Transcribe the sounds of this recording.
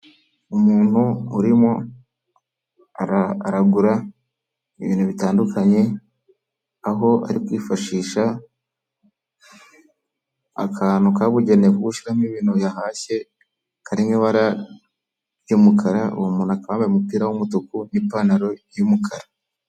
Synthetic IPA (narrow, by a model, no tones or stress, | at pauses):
umuːn̥huuɾimo̞ | aɾɾaɡuɾa | iβḭːnhuβitaːndukʰaɲe̞ | aɦo̞a̰ɾikwiːfaʃiːʃa | a̰kʰaːnukaβuɟe̞nevuɡuʃiɾamiβiːnujaɦaːse̞ | kaɾiŋeβaɾa | jumukʰaɾaṵwmuːnakaβaːmbajomupiːɾawumutukunipaːnaɾo̞jumukʰaɾa